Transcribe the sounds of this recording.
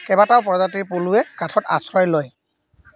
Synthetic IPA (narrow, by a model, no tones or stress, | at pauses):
kɛbataʊpɔɹɔzatiɹpuluɛkatʰɔta̰sɹɔjloj